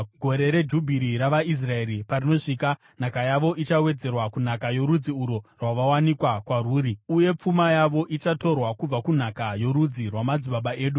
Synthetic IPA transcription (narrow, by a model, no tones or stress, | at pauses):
ɡʱo̞ɾe̞ɾe̞d͡ʒubʱiɾiɾaʋais̬rae̞ɾipaɾino̞ʂiːka | n̤akajaʋo̞ʔit͡ʃawe̞d͡ze̞rwakun̤akajo̞ɾud͡ziuɾo̞rwaʋawanikwakwaruːɾiuje̞p͡fumajaʋo̞ʔit͡ʃato̞rwakub͡vakun̤akajo̞ɾud͡zirwamad͡ziɓaɓae̞ːɗu